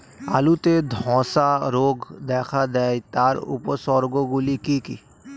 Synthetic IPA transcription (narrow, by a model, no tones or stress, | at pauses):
a̰lut̪ed̪ʱɔ̃ːsaɾoɡd̪ɛːkʰad̪ɛːjt̪aɾṵposɔɾɡoɡulikikḭ